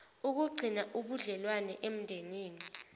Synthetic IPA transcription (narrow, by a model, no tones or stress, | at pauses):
uk̬uɡ͡ǀʱinaʔuɓuɮɛlwanɛʔem̩ndʱeniːni